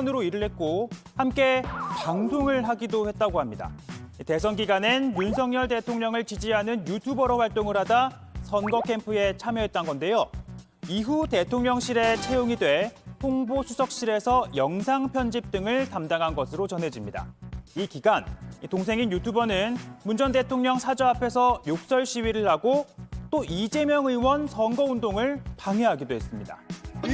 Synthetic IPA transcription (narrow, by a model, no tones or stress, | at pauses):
nɯɾoiɾɯɭɦe̞t̚k͈o | hamk͈e̞paŋdʰoŋɯɭɦaɡidohe̞t̚t͈aɡohamɲida̰ite̞s̬ʰʌnɡiɡanenjunsʰʌŋɲʌɭde̞tʰoŋɲʌŋɯɭt͡ɕid͡ʑiɦanɯnjutʰubʌɾʌɸwaɭt͈oŋɯɾɦada | sʰʌnɡʌkʰe̞mpʰɯe̞t͡ɕʰamjʌɦet̚t͈anɡʌnde̞jo | iɦute̞tʰoŋɲʌŋɕ͈ʰiɾe̞t͡ɕʰejoŋidwe̞poŋbosʰusʰʌk̚ɕ͈iɾe̞sʰʌjʌŋsʰaŋpʰjʌnd͡ʑip̚t͈ɯŋɯɭtamdaŋɦanɡʌsʰɯɾot͡ɕʌnɦe̞d͡ʑimɲida̰ikiɡanitoŋsʰe̞ŋinjutʰubʌnɯnmund͡ʑʌnde̞tʰoŋɲʌŋsʰad͡ʑʌapʰe̞sʰʌjok̚s͈ʌɭɕʰiwɥiɾɯɭhaɡot͈oʔid͡ʑe̞mjʌŋɯiwʌnsʰʌnɡʌundoŋɯɭpaŋɦeɦaɡidoɦe̞s͈ɯmɲida̰